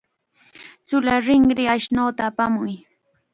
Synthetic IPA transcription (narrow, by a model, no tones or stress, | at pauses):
t͡sʊlaɾɪŋɾɪaʃnawt̪aːpamʊj